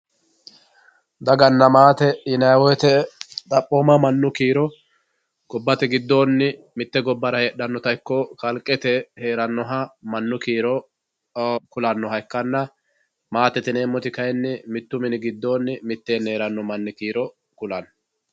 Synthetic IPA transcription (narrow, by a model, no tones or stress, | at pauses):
d̪ɐɡɐnːɐmaːt̪ɛjɪnɐjwɔjt̪ɛt̪ʼɐpʼːoːmɐmɐnːʊkiːɾɔ | ɡ̥ɔbːɐt̪ɛɡɪd̪ːo̞ːnːɪ | mɪt̪ːɛɡɔbːɐɾɐheɗɐnːɔt̪ɐjkːɔkɐlkʼːɛt̪ɛhe̞ːɾɐnːɔɦɐmɐnːʊkiːɾɔ | kʊlɐnːɔɦɐɪkːɐnːɐ | maːt̪ɛt̪ɪne̞ːmːɔt̪ɪkɐjɛnːɪmɪt̪ːʊmɪnɪɡɪd̪ːo̞ːnːɪmɪt̪ːeːne̞ːɾɐnːɔmɐnːɪkiːɾɔ | kʊlɐn